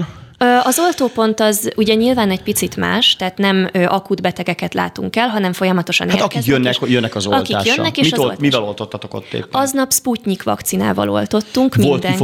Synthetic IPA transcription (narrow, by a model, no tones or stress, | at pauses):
ɒzo̞lt̪oːpo̞nt̪ɒzuɟɛɲilvaːnɛɟpit̪sit̪ma̰ːʃt̪ɛːt̪nɛmʔɒkud̪bɛt̪ɛɡɛkɛt̪la̰ːt̪ṵŋkɛlɦɒnɛɱfo̞jɒmɒt̪o̞ʃɒ̰naeɒkikjønːɛkjønːɛkɒzoɒlt̪kik̪a̰ːjønːɛkeːmiʃɒllmivɛlo̞lt̪ot̪ʰːɒt̪oko̰t̪ːḛːɒznɒpspucɲikʋɒ̰kt̪sina̰ːvɒ̰lo̞̰lt̪o̞t̪ːuŋkmld̪ɛŋ